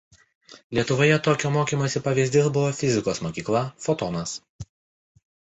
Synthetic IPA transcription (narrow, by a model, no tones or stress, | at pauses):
lʲiɛt̪ʊʋoːjɛt̪oːkʲoːmoːkʲiːmoːsʲɪpɐʋʲiːzʲd̪ʲɪsbʊʋoːfʲɪzʲɪkoːsmoːkʲiːklˠɐfot̪ɔːnɐs